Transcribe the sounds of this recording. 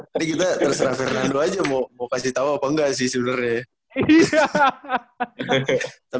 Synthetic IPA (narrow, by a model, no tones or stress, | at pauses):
t̪aɾikit̪at̪ərsəɾahfɛrnandoad͡ʒamomokasiht̪auapəŋɡas̬isunərɲa | t̪a